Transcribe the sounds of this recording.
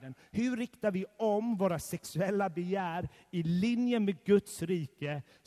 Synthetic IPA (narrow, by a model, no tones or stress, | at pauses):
ənhɵɾɪkt̪aɾvɪɔmvoːɾasɛksɵɛlːabɛjæːɾ | ɪlɪnjəmeːd̪̚ɡɵt̪sɾiːkə